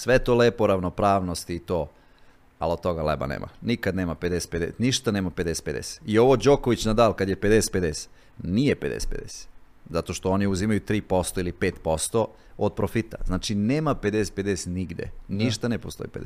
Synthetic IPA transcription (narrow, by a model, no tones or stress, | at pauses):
sʋet̪oleːpoɾaʋno̞pɾaːʋno̞st̪iːt̪oː | a̰lod̪̚t̪o̞ɡalḛba̰nḛːma̰nikad̪ne̞ːmaped̪ese̥t̪ped̪et̪niʃt̪aneːmape̞d̪eset̪ped̪ḛse̥io̞ʋod͡ʑokoʋit͡ɕnad̪aːlkad̪jepe̞d̪ese̥t̪ped̪ese̥ | nijeped̪ese̥t̪̚pḛd̪ḛse̥ | zat̪o̞ʃt̪ooniuzimajut̪ɾiːpo̞st̪o̞ilipeːt̪po̞st̪o | od̪̚pɾofit̪a̰znaːt͡ʃineːmaped̪eset̪̚ped̪eset̪niɡd̪ʲjḛniʃt̪anepost̪o̞̰ipḛd̪e